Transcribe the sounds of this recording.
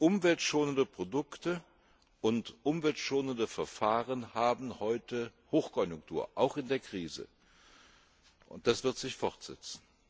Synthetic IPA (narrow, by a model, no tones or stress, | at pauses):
ʔʊmvɛltʃoːnəndəpʁ̥odʊktə | ʔʊntʔʊmvɛltʃoːnəndəfɛɐfaːʁənhaːbm̩hɔʏtəhoːxkʰɔnjʊŋk̚tʰuːɐʔaʊxɪndeːɐkʁ̥iːzə̰ | ʔʊ̰nt̚d̥asv̥ɪɐtz̥ɪçfɔʁtz̥ɛ̰t͡sn̩